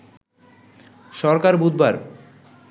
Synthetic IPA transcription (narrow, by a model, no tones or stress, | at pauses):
ʃɔɾkaɾbud̪baɾ